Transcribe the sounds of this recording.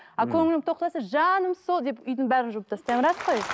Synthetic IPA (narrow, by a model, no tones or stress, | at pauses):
ɑkʲʰɵŋɪlɪt̪ʰo̞q̚t̪ɑsəʒɑnəmsolˠd̪e̞pʏjd̪ɪɴbæɾɪnʒʊməpt̪ʰɑst̪ɑjmɾɑsqoj